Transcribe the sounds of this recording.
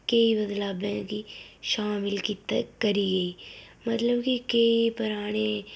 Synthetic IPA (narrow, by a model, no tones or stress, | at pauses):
kɐibɐd̪laːbɛ̃kiʃaːmɪlkit̪kɐɾiɡɐiː | mɐt̪ləbkikɐipʊɾaːɽ̃e